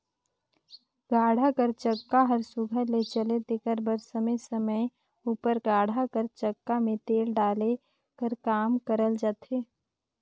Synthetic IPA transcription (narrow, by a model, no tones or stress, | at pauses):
ɡaːɽ̤akəɾt͡ʃəkːaɦəɾsʊɡʱəɾlet͡ʃəled̪ɪkəɾbəɾsəməjsəməj | uːpəɾɡaːɽ̤ʱakəɾt͡ʃəkːamẽt̪eːlɖaːle | kəɾkaːmkəɾəld͡ʒaːt̪eː